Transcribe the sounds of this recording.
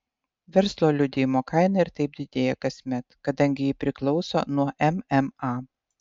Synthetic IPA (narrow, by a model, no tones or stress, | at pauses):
ʋʲɛɾslˠoːlʲʊd̪ʲɪjmoːkɐˑɪnɐɪɾt̪ɐɪp̚d̪ʲɪd̪ʲeːjɛkɐsʲmʲɛt̪kɐd̪ɐŋʲɡʲɪjɪpʲɾʲɪklˠɒʊso̰ːnuɔʔɛmɛmɑ